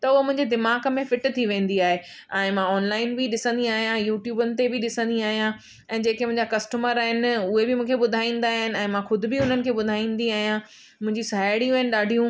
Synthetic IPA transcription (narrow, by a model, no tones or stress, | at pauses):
t̪ɐʊɦomʊ̃ɦɪ̃ɲd͡ʑed̪ɪmaːkmẽfɪʈt̪ʰiʋẽːn̆d̪iaːɦe | ɛ̃ːmãɔːnlaːɪnbɪɗɪsə̃nd̪iaːɦijãjuːʈjuːbənɪ̆t̪ebɪɗɪsə̃nd̪iaːɦijã | ɛ̃ːd͡ʑeːkemʊ̃ɦɪ̃ɲd͡ʑakɐsʈəməɾaːɦɪnɪʊɦebɪmũːkʰeɓʊd̪ʱaːĩːn̆d̪aːɦɪnɪ̆ɛ̃ːmãxʊd̪ʱɪbɪʊn̤ənɪ̆kʰeːɓʊd̪ʱaːĩːn̆d̪iaːɦijã | mʊ̃ɦɪ̃ɲd͡ʑisɐɦaːɪɽijũaɦɪnɪ̆ɗaːɖʱijũ